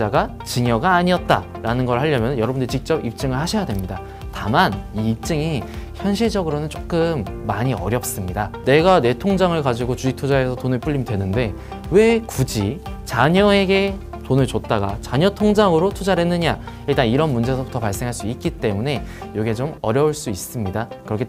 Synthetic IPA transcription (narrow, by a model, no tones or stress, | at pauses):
aɡa | t͡ɕɯŋjʌɡaːɲiʌt̚t͈a̰ | ɾanɯnɡʌɾɯɭɦaʎːʌmjʌnɯnjʌɾʌbundɯit͡ɕik̚t͡ɕ͈ʌbip̚t͡ɕ͈ɯŋɯɭhaɕʰʌjadwe̞mɲida | tamaniːp̚t͡ɕ͈ɯŋiçjʌnɕʰiɭd͡ʑʌɡɯɾonɯnt͡ɕ͈ok͈ɯmːaɲiʌ̰ɾjʌp̚s͈ɯmɲidane̞ɡane̞tʰoŋd͡ʑaŋɯɭkad͡ʑiɡot͡ɕuik̚tʰud͡ʑae̞sʰʌtonɯɭp͈uʎːimdwe̞nɯnde̞ | we̞kud͡ʑit͡ɕaɲʌe̞ɡe̞ | tonɯɭt͡ɕot̚t͈aɡa̰t͡ɕaɲʌtʰoŋd͡ʑaŋɯɾotʰud͡ʑaɾe̞nːɯɲaiɭt͈aniɾʌnmund͡ʑe̞sʰʌbutʰʌpaɭs͈e̞ŋɦaɭs͈uik̚k͈it͈e̞mune̞joɡet͡ɕomʌɾjʌuɭs͈uis͈ɯmɲidakɯɾʌkʰe